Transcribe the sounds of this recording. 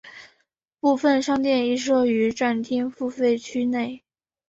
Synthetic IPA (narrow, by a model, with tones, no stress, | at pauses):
pu˥˧fə˥˧nʂɑ˥ŋt̪̬jɛ˥˧ni˥˩ʂ̬ɤ˥ʊy˧˥ʈ͡ʂa˥˩nt̪ʰi˥nfu˥˧fe˥˩ɪt͡ɕʰy˥ne˥˩ɪ